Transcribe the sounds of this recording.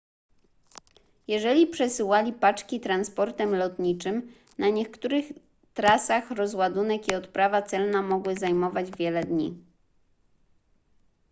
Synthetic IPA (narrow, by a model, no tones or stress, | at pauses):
jɛʐɛlʲipʂɛsɘwalʲipat͡ʂkʲit̪ɾanspɔɾt̪ɛmlɔt̪ɲit͡ʂɘm | naɲɛkt̪uɾɘx | t̪ɾasaxɾɔzwad̪unɛkiɔt̪pɾavat̪sɛlnamɔɡwɘzajmɔvad͡ʑvʲjɛlɛd̪ɲḭ